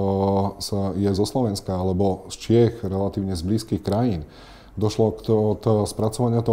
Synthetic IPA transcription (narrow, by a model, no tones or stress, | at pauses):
sajɛzɔslɔʋɛnskaalɛbɔst͡ʃɪɛxɾɛlat̪iːʊɲɛzbliːskixkɾajiːn | d̪ɔʃlɔkɔt̪spɾat͡sɔʋaɲɪat̪ɔ